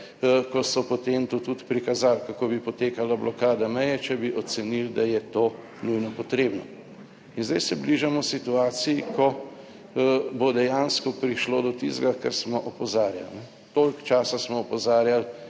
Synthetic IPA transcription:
kɔsɔpɔt̪emt̪ut̪ut̪pɾikazaːlkakoːbipɔt̪eːkalablʔɔkaːd̪amɛjɛt͡ʃɛbiʔɔt̪sɛnild̪ajɛt̪oː | nujnɔpɔt̪ɾeːbnɔ | inzd̪ɛjsɛbliʒamɔsit̪uaːt̪sijikɔ | bod̪ɛjaːnskɔpɾiʃloːd̪ɔt̪ḭzɡakɛ̰ɾsmɔʔɔpɔzaːɾja̰lnɛ | t̪oːlkt͡ʃaːsasmɔːpɔzaːɾjal

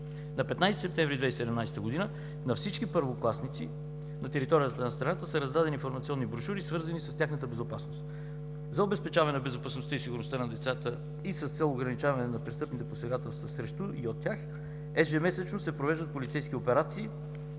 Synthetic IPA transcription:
nɐpɛt̪najst̪i̥sɛpt̪ɛ̃ɱvɾid̪vɛjsɛd̪ɛmnajst̪əɡʊd̪inə | nɐfsit͡ʃkipəɾvoklˠasnit̪sḭ | nɐt̪ɛɾit̪ɔɾijət̪ənɐst̪ɾɐnat̪əsɛɾɐzd̪ad̪ɛninfoɾmɐt̪siɔnːibɾoʃuɾisvɤɾzənisɐst̪ʲjaxnət̪əbɛzopasnost̪ | zɐobɛspɛt͡ʃavɐnɛnbɛzopɐsnost̪əisiɡʊɾnost̪anɐd̪ɛt̪sat̪ə | isəst̪sɛlˠoɡɾɐnit͡ʃavɐnɛnɐpɾɛst̪ɤpnit̪ɛposɛɡat̪ɛlˠst̪vəsɾɛʃt̪uʔiot̪ʲːjax | ɛʒɛmɛsɛt͡ʃnosɛpɾovɛʒd̪ət̪̚polʲit̪sɛjskiopɛɾat̪siː

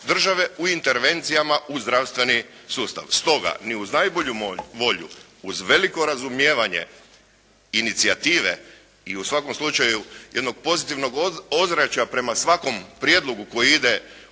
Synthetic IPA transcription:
d̪r̩ʒaʋe̞uint̪eɾʋe̞nt̪sijamauzd̪ɾaʋst̪ʋe̞nisuːst̪a̰ʋst̪o̞ɡa̰niuznajbo̞ʎuʋo̞ʎṵː | zʋe̞liko̞ɾazumjeːʋaɲe̞̰ | init̪siat̪iːʋḛ | iusʋako̞mslˠut͡ʃajuje̞d̪no̞ɡ̥̚po̞zit̪iʋno̞ɡo̞zɾat͡ɕapɾe̞masʋako̞mpɾje̞d̪lˠo̞ɡuko̞jiid̪e̞

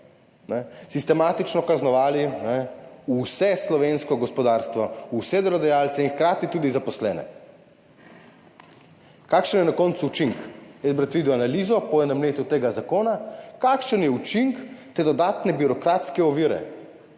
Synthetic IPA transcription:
nɛsist̪ɛmaːt̪it͡ʃnɔkaznɔʋaːlinɛusɛslɔʋenskɔɡɔspɔd̪aːɾst̪ʋɔusɛd̪ɾɔd̪ajalt̪sɛinxkɾaːt̪it̪uːd̪izapɔslɛ̰ːnɛ̰ | kakʃənjɛnakɔnt̪suut͡ʃiŋkɛzbɾat̪ʋiːd̪wanaliːzɔpɔjɛnamleːt̪ut̪eːɡazakoːnakakʃənjɛut͡ʃiŋkt̪eːd̪ɔd̪aːt̪nɛbiɾɔkɾat̪skɛɔʋiːɾɛ̰

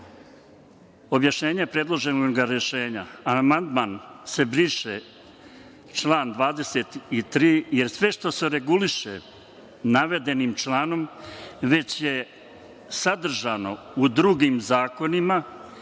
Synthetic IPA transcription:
o̞bjaʃɲe̞ːɲapɾe̞d̪lˠo̞ʒenoɡaɾje̞ʃe̞ːɲaamand̪maːnse̞bɾiːʃe | t͡ʃlˠaːnd̪ʋaːd̪e̞set̪it̪ɾiːje̞ɾsʋe̞ʃt̪o̞se̞ɾe̞ɡuliʃḛ | naʋe̞d̪e̞nimt͡ʃlˠaːno̞mʋe̞t͡ɕje̞ | sad̪r̩ʒano̞ | ud̪ɾuɡiːmzaːko̞nima

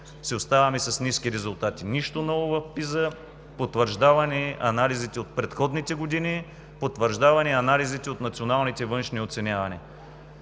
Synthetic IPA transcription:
sɛost̪avɐmɛsɐsniskiɾɛzʊlˠt̪at̪iniʃt̪onɔvʊvɐfpizə | pot̪vəɾʒd̪avɐniɐnalizit̪ɛot̪̚pɾɛt̪xɔd̪nit̪ɛɡod̪ini | pot̪vəɾʒd̪avɐnɛɐnalizit̪ɛot̪nɐt̪sionalˠnit̪ɛvɤnʃniot̪sɛnʲavɐnɛ

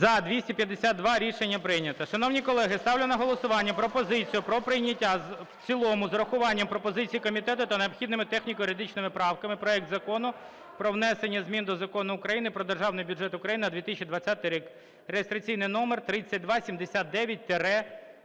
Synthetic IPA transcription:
zɐd̪ʲʋʲisʲtʲipʲjɐd̪ːesʲad̪̚d̪ʋɑɾʲiʃenʲːɐpɾɪjnʲɐt̪ɐʃɐnɔwnʲikɔlˠɛɦɪst̪ɑwlʲɪnɐɦɔlˠɔsʊʋɑnʲːɐpɾɔpɔzɪt͡sʲijʊpɾɔpɾɪjnʲɐtʲːazwt͡sʲilˠɔmʊzɾɐxʊʋɑnʲːɐmpɾɔpɔzɪt͡sʲijikɔmʲit̪ɛt̪ʊt̪ɐneɔpxʲid̪nɪmɪt̪ɛxnʲikɔjʊɾʲed̪it͡ʃnɪmɪpɾɑwkɐmɪpɾɔɛk̚t̪zɐkɔnʊ | pɾɔʋnɛsenʲːɐzʲmʲind̪ɔzɐkɔnʊːkɾɐjinɪpɾɔd̪erʒɑwnɪjbʲʊʐɛt̪ʊkɾɐjinɪnɐd̪ʋʲit̪ɪsʲt͡ʃʲːid̪ʋɐt͡sʲat̪ɪjɾʲik | rejɪst̪ɾɐt͡sʲijnɪjnɔmert̪ɾɪt͡sʲːɐt̚ʲd̪ʋɑsʲimd̪esʲat̪̚d̪ɛʋʲjɐt̚ʲt̪eɾɛ

